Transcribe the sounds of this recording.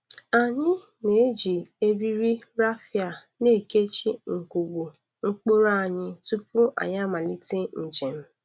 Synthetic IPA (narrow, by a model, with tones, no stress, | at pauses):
a˨ɲɪ˦ | ne˨˦d͡ʒi˨e˦bi˦ɾi˦ɾa˦fja˨ | ne˦˨ke˦t͡ʃi˦ŋ̩˨ku˨ɡu˨ | ŋ̩˦k͡po˦ɾa˦˨ɲɪ˦tu˦pu˦ʔa̰˨ɲa˦ma˨li˦te˦n̩˨d͡ʒe˨m̩˦